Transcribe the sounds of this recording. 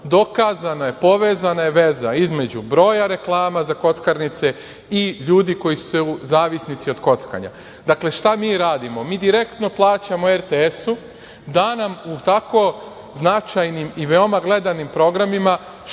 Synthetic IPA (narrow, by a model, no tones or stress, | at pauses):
d̪o̞kazanajepo̞ʋe̞ːzanajeʋe̞zaizme̞d͡ʑubɾo̞ːjaɾe̞klˠaːmazako̞t̪skaɾnit̪se̞ | iʎuːd̪iko̞jisu̥seuzaːʋisnit̪sio̞d̪ko̞t̪ska̰ɲa̰ | d̪akle̞ʃt̪amiːɾaːd̪imo̞miːd̪iɾe̞kt̪no̞plˠaːt͡ɕamoeɾt̪eesu | d̪anamut̪ako̞ | znat͡ʃajnimiʋe̞o̞maɡle̞d̪animpɾo̞ɡɾamima